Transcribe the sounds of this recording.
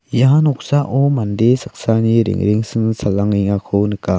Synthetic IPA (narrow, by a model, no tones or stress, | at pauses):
janɔk̚saʔɔmandesak̚saniɾḭŋɾiŋsɯŋsalːaŋiŋakʰownɯka